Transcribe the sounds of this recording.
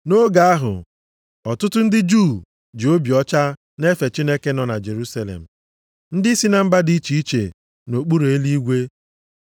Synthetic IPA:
no˦ɡa˨a˦ɦʊ̰˨ | ɔ˨tʊ˦tʊ˦n̩˦dɪ˦d͡ʒu˦˨ | d͡ʒo˦bjɔ˦t͡ʃa˦ | ne˦fe˨t͡ʃi˦ne˦ke˦nɔ˨na˨d͡ʒe˨ɾu˦sa˦lḛ˨m̩˨ | n̩˦dɪ˦i˦si˦na˨m̩˦ba˦di˦t͡ʃi˨i˦t͡ʃe˨ | no˨k͡pu˦ɾo˨e˦li˦i˦ɡʷe˦

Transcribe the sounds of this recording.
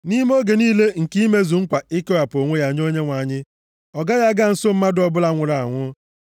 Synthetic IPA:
ni˦m˦o˦ɡe˨niː˦le˦ŋ̩˨ki˦me˦zu˨ŋ̩˦kʷa˨ɪ˦kɔ˦ja˨po˨ŋʷe˦ja˨ɲ˦o˦ɲe˦ŋʷa˨ɲɪ˦ | ɔ˨ɡa˦ja˦ɡa˦n̩˨˦so˦m̩˦ma˦dʊ˦ɔ˦bʊ˦la˨ŋʷʊ˨ɾa˨a˨ŋʷʊ˦

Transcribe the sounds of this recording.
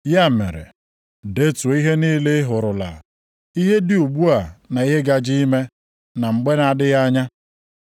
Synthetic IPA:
ja˦˨mḛ˨ɾḛ˨ | de˦to˨˦i˦ɦe˦niː˦le˦ɦʊ˨ɾʊ˨la̰˨ | i˦ɦe˦dɪ˨u˨ɡ͡bu˦a˨na˨i˦ɦe˦ɡa˨d͡ʒi˦i˦me˦ | na˨ŋ͡m̩˨ɡ͡be˦na˨dɪ˦ja˦ɲa˦

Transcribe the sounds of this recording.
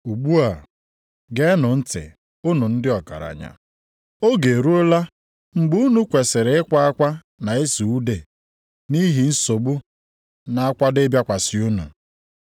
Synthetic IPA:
u˨ɡ͡bu˦a˨ | ɡe˦nʊ˨n̩˦tɪ̰˨ | ʊ˦nu˨n̩˦dɪ˦ɔ˨ka̰˨ɾa̰˨ɲa̰˨ | o˦ɡe˨ɾu˦o˦la˦ | ŋ͡m̩˦ɡ͡bu˦u˦nu˦kʷe˨se˨ɾe˨ɪ˦kʷa˦a˦kʷa˦ | na˨e˦su˨u˦de˨ | ni˦ɦi˨n̩˦so˨bu˦ | na˨a˦kʷa˦de˦bja˦kʷa˨sɪ˨u˦nṵ˨

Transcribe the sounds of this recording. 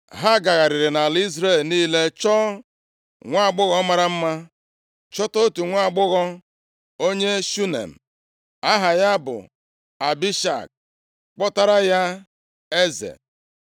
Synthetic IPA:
ɦa˦ɡa˨ɣa˨ɾɪ˨ɾɪ˨na˨li˦zɾe˦˨lniː˦le˦t͡ʃɔ˦ | ŋʷa˦a˨ɡ͡bʊ˦ɣɔ˦ma˨ɾa˦m̩˦ma˦ | t͡ʃɔ˦to˦tu˨ŋʷa˦˨ɡ͡bʊ˦ɣɔ˦ | o˦ɲe˦ʃu˦nḛ˨m̩˨ | a˦ɦa˨ja˦bʊ̰˨ | a˨bi˦ʃa̰˨k̚ | k͡pɔ˦ta˦ɾa˦ja˦ | e˦zḛ˨

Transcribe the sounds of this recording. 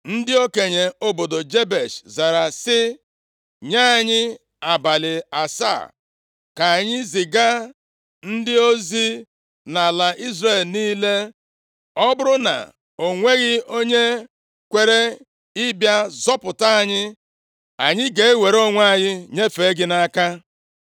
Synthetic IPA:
n̩˦dɪ˦o˦ke˨ɲe˨o˦bo˨do˨d͡ʒe˦be˨ʃza˨ɾa˨sɪ˦ | ɲa˦a˨ɲɪ˦ | a˨ba˨lɪ˨a˨sa̰˦˨ | ka˨ɲɪ˦zɪ˨ɡa˦ | n̩˦dɪ˦o˦zi˦ | na˨la˨ʔi˦zɾe˨lniː˦le˦ | ɔ˦bʊ˦ɾʊ˦na̰˨ | o˨ŋʷe˦ɣɪ˦o˦ɲe˦ | kʷe˨ɾe˦ | ɪ˦bja˦zɔ˦pʊ˨ta˦a˨ɲɪ˦ | a˨ɲɪ˦ɡe˨e˦we˨ɾo˦ŋʷa˦˨ɲɪ˦ɲe˦fe˨˦ɡɪ˦na˦ka˦

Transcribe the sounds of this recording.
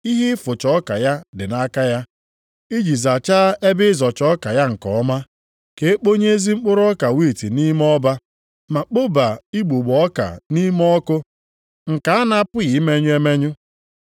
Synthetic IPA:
i˦ɦi˦fʊ˨t͡ʃɔ˦ka˨ja˦dɪ˨na˦ka˦ja˦ | i˦d͡ʒi˨za˨t͡ʃa˦e˦bɪ˦zɔ˨t͡ʃɔ˦ka˨ja˦ŋ̩˨kɔ̰˨ɔ˦ma˦ | ke˨e˦k͡po˦ɲe˦zi˦ŋ͡m̩˦k͡pʊ˦ɾɔ˦ka˨wi˦˨ti˨ni˦m˦ɔ˦ba˦ | ma˨k͡po˦ba˨i˦ɡ͡bu˨ɡ͡bɔ˦ka̰˨ni˦mɔ˦kʊ˦ | ŋ̩˨ka˨a˦na˦a˦pʊ˦ɣi˨˦me˦ɲʊ˦e˦me˦ɲʊ˦

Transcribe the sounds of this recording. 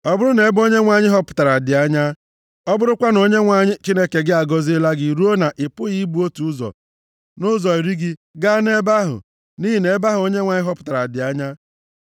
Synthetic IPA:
ɔ˦bʊ˦ɾʊ˦ne˨˦bo˦ɲe˦ŋʷa˨ɲɪ˦ɦɔ˦pʊ̥˨ta˨ɾa˨dɪ˨a˦ɲa˦ | ɔ˦bʊ˦ɾʊ˦kʷa˦no˨˦ɲe˦ŋʷa˨ɲɪ˦t͡ʃi˦ne˦ke˨ɡɪ˦a˨ɡɔ˨zɪ˦la˦ɡɪ˦˨ɾu˦o˦na˨ʔɪ˨pʊ˦ɣi˦bu˦o˦tu˨ʊ˦zɔ̰˨ | nʊ˦zɔ˨i˨ɾi˦ɡɪ˦ɡa˦ne˦ba˦ɦʊ̰˨ | ni˦ɦi˨ne˨˦ba˦ɦʊ˨o˦ɲe˦ŋʷa˨ɲɪ˦ɦɔ˦pʊ̥˨ta˨ɾa˨dɪ˨a˦ɲa˦

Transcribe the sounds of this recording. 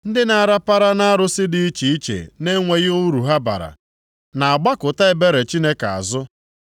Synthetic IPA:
n̩˦dɪ˦na˨a˨ɾa˦pa˦ɾa˦na˦a˦ɾʊ˦sɪ˦dɪ˨i˦t͡ʃi˨i˦t͡ʃḛ˨ne˦ŋʷe˨ɣʊ˦ɾu˨ɦa˦ba̰˨ɾa̰˨ | na˨a˨ɡ͡ba˦kʊ˨ta˦ɪ˦be˦ɾe˨t͡ʃi˦ne˦ka˨a̰˨zʊ˦

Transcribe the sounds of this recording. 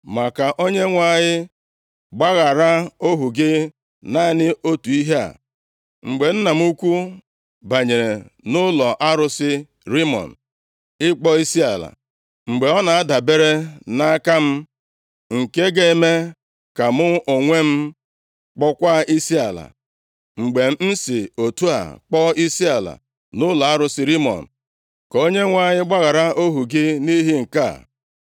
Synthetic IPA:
ma˨ka˨ʔo˦ɲe˦ŋʷa˦˨ɲɪ˦ | ɡ͡ba˦ɣa˨ɾa˦o˦ɦu˨ɡɪ˦ | na˦nɪ˦ʔo˦tu˨i˦ɦe˦a̰˨ | ŋ͡m̩˨ɡ͡be˨n̩˦na˨m̩˦u˦kʷu˦ | ba˨ɲe˨ɾe˨nʊ˦lɔ˨ʔa˦ɾʊ˦sɪ˦ | ɾi˦mɔ̰˨n̩˨ | ɪ˦k͡pɔ˦i˦si˦a˨la̰˨ | ŋ͡m̩˨ɡ͡be˨ɔ˦na˨a˦da˨be˦ɾe˦na˦a˦ka˦m̩˦ | ŋ̩˨ke˦ɡe˦me˦ | ka˨mʊ˦ʔo˨ŋʷe˦m̩˦ | k͡pɔ˦kʷa˦i˦si˦a˨la̰˨ | ŋ͡m̩˨ɡ͡be˨m̩˦n̩˦si˨o˨tu˦a̰˨k͡pɔ˦i˦si˦a˨la̰˨ | nʊ˦lɔ˨a˦ɾʊ˦sɪ˦ɾi˦mɔ̰˨n̩˨ | ko˦ɲe˦ŋʷa˦ɲɪ˦ɡ͡ba˦ɣa˨ɾa˦o˦ɦu˨ɡɪ˦ni˦ɦi˦ŋ̩˨ka˦˨

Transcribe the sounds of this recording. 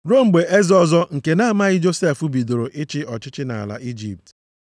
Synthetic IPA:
ɾo˦m̩˨ɡ͡be˨e˦zɔ˦˨zɔ˦ŋ̩˨ke˨na˦a˦ma˦ɣɪ˦d͡ʒo˦se˦˨fu˦bi˨do˨ɾo˨ʔɪ˦t͡ʃɪ˦ʔɔ˨t͡ʃɪ˦t͡ʃɪ˦na̰˨a̰˨la̰˨ʔi˦d͡ʒi˨p̚t

